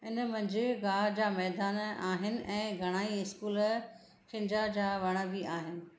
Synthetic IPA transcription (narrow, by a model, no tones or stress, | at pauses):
ɪnəmɐ̃ɲd͡ʑɪɡaːɦd͡ʑaːmɛːd̪aːnaːɦɪnɪ̆ʔɛ̃ːɡʱɐɽ̃aːiɪskuːl | kɪ̃ɲd͡ʑad͡ʑaːʋɐɽ̃ə̆biaːɦɪnɪ̆